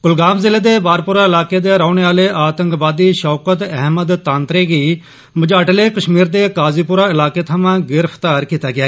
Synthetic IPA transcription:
kʊlɡaːmzɪleːd̪eːbaːɾpʊɾaːɪlaːkeːd̪eːɾaːʊɳ̃eːaːleʔaːt̪əŋkbaːd̪iːʃɔːkət̪ɛɦməd̪t̪ãːnt̪ɾeːɡiː | məd͡ʒaːʈleːkəʃmiːɾd̪eːkaːziːpʊɾaːɪlaːkeːt̪ʰaːmãːɡɪɾəpʰt̪aːɾkiːt̪aːɡɪjaːeː

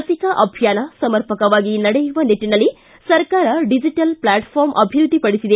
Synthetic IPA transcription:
ɐsikɐʔɐbʱjaːnɐsɐmɐɾpɐkɐʋaːɡinɐɽejuʋɐnet̪ːinɐlːi | sɐɾkaːɾɐɖid͡ʒiʈɐlplaːʈpʰoːɾmʔɐbʱiɾud̪ʱːipɐɽisid̪e

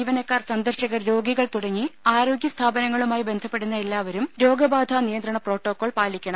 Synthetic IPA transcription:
ʋɐnɐkːaːrsɐnd̪ɐrɕɐɣɐrɾo̞ːɡiɣɐɭt̪uɽɐŋːiaːɾo̞ːɡjɐst̪ʰaːbɐnɐŋːɐɭumaːjibe̞nd̪ʱɐpːe̞ɽunːɐelːaːʋɐɾumɾo̞ːɡɐbaːd̪ʱanijɐnd̪ɾɐɳɐpro̞ːʈːo̞ːkːoːɭpaːlikʲːɐɳɐ

